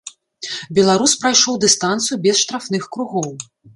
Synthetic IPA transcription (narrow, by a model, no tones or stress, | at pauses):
bʲɛlˠaɾuspɾajʂɔwd̪ɨst̪ant̪sɨjubʲɛsʂt̪ɾafnɨxkɾuɣɔw